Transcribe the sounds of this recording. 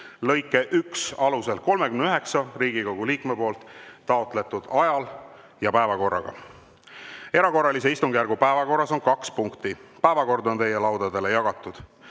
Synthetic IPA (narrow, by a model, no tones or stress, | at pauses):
lɤ̞jkːˑe̞ʔyksɑluse̞lko̞lme̞kymnyɦe̞ksɑriːɡikoɡ̥uliːkmepo̞ːlt̪ˑːɑot̪ˑle̞t̪ud̪̥ɑjɑl | jɑpæe̞vɑko̞rːɑ̰ɡ̥ɑ̰ | e̞ɾɑko̞rːɑlis̬e̞ist̪uŋɡ̥jæɾɡupæevɑko̞rːɑso̞nkɑkspuŋkt̪ipæevɑko̞rd̪o̞nt̪e̞jːe̞lɑwd̪̥ɑd̪e̞le̞jɑɡ̥ɑt̪ːˑud̪̥